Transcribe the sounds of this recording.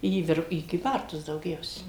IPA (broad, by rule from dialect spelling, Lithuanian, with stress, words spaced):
iː ˈʋʲɪr iː kʲiːˈbɐrtʊs dɐʊˈɡʲɛʊsʲɛ